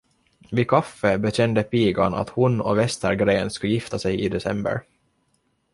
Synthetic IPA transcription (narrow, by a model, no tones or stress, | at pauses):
vɪkʰafːəbɛt̪ɛnd̪əpiːɡaɳa̰t̪hʊnɔvɛst̪əɾɡɾeːnskɵjɪft̪asɛjɪd̪ɛsɛ̰mbə̰ɾ